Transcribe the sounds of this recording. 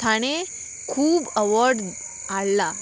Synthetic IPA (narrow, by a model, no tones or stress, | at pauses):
t̪ʰaɽ̃e | kʰuːbəʋɔɾɖ | alːa